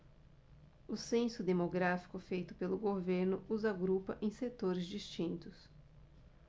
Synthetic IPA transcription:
ʊsẽsʊd̪emoɡɾafi̥kʊfejt̪ʊpelʊɡoveɾnʊuzaɡɾupɐʔẽj̃set̪oɾɪzd͡ʒist͡ʃĩnt̪ʊs

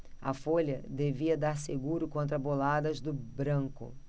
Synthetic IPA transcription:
ɐfoʎɐd̪eviɐd̪aɾseɡuɾʊkõnt̪ɾɐbolad̪ɐzd̪ʊbɾɐ̃ŋkʊ̰

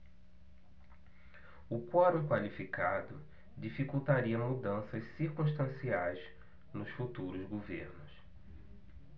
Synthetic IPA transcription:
ʊkɔɾũkwalifikad̪ʊ | d͡ʒifikut̪aɾiɐmud̪ɐ̃sɐssiɾkũʃt̪ɐ̃siajz | nʊsfut̪uɾʊzɡoveɾnʊs

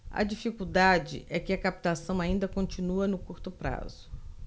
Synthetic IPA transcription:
ɐ̰d͡ʒifikuwd̪ad͡ʒɪ̰ʔɛkɪɐkapi̥t̪asɐ̃w̃aĩnd̪ɐkõt͡ʃĩnuɐnʊkuɾt̪ʊpɾa̰zʊ̥

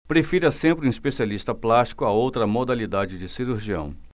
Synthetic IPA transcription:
pɾefiɾɐsẽmpɾũispesialist̪ɐplast͡ʃi̥kʊɐowt̪ɾɐmod̪alid̪ad͡ʒɪd͡ʒɪsiɾuɾʒiɐ̰̃w̃

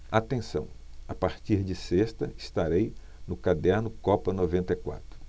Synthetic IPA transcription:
at̪ẽsɐ̰̃w̃apaɾt͡ʃiɾd͡ʒɪsest̪ɐɪst̪aɾej | nʊkad̪ɛɾnʊkɔpɐnovẽnt̪ɐjkwa̰t̪ɾʊ

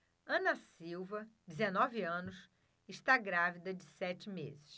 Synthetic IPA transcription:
ɐ̃nɐsiwvɐd͡ʒɪzenɔviɐ̃nʊs | ɪʃt̪aɡɾavid̪ɐd͡ʒɪsɛt͡ʃɪmḛzɪs

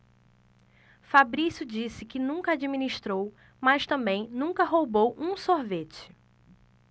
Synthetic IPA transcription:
fabɾisʊd͡ʒisɪkɪnũkɐad͡ʒiminiʃt̪ɾow | mɐʃt̪ɐ̃bẽj̃nũkɐɦowbowʔũsoɾvet͡ʃɪ̥

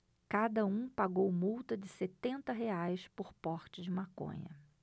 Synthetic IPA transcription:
kad̪ɐũpaɡowmuwt̪ɐd͡ʒɪset̪ẽnt̪ɐɦeajspoɾpɔɾt͡ʃɪd͡ʒɪmakõ̰ɲɐ̰

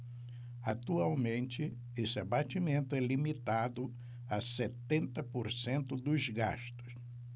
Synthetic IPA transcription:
at̪uawmẽnt͡ʃɪ | esɪabat͡ʃimẽnt̪ʊɛlimit̪ad̪ʊ | aset̪ẽnt̪ɐpoɾsẽnt̪ʊd̪ʊzɡa̰ʃt̪ʊ̥s

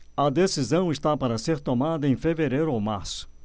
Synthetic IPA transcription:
ɐd̪esizɐ̃w̃ɪst̪apaɾɐseɾt̪omad̪ɐẽj̃feveɾejɾʊowmaɾsʊ̥

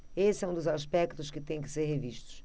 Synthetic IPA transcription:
esɛ̃ũd̪uzaʃpɛkt̪uʃkɨt̪ẽj̃kɪ̥seɾheviʃt̪u̥ʃ

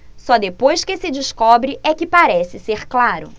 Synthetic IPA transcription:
sɔd̪epojskɪsɪd͡ʒiskɔbɾɪʔɛkɪpaɾɛsɪseɾklaɾʊ̰

